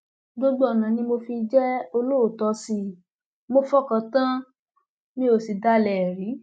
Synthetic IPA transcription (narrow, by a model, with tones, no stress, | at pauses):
ɡ͡bo˦ɡ͡bɔ˨nã˨nĩ˧mo˧fi˧d͡ʒɛ˦o˧lo˦o˨tɔ˧si˧˦ | mo˧fɔ˦kã˨˧tã˦ | mĩ˦o˧˨si˧da˦˨lɛ˨ɾĩ˨˦